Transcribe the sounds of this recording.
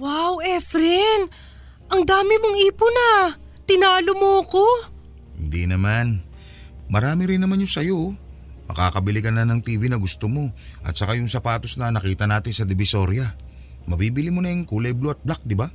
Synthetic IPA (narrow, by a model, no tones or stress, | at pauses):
wawɛfɾɛn | ʔɐŋd̪aːmɪmoŋiːpʊnɐ | t̪ɪnaːlomoɐko̞ | hɪnd̪inɐman | mɐɾaːmɪɾɪnːɐmanjʊŋsɐjo̞ | mɐ̰ka̰ːkɐbɪlɪɡɐnːɐnɐŋt̪iːvinɐɡʊst̪omo̞ʔɐ̰t̪sɐkajʊŋsɐpaːt̪o̞snɐnɐkiːt̪ɐnaːt̪ɪnsɐd̪ɪbɪso̞ɾjɐ | mɐbiːbɪlimʊnɐjŋkuːlɐjbloʔɐt̪̚blak̚d̪ɪba